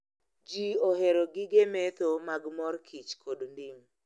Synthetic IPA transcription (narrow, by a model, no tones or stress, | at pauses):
d͡ʒioɦeɾoɡɪɡemet̪omaɡmɔrkʰit͡ʃkʰodndiŋ